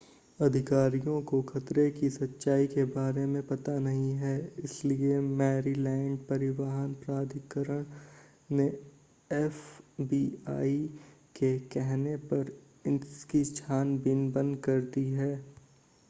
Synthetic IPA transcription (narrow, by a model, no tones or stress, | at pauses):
ɐd̪ʱɪkaːɾijõkoxɐt̪ɾekisɐtːʃaːikebaːɾemẽpɐt̪anɐɦĩɦɛːɪsliemɛːɾilɛ̃ːɳɖ̚pɐɾɪʋaːɦənpɾaːd̪ʱɪkəɾəɽ̃ | ne | ɛfbiːaːi | kekɛɦnepɐɾ | ɪkit͡ʃʰaːnbɪnbɐ̃nd̪kɐɾd̪iɦɛː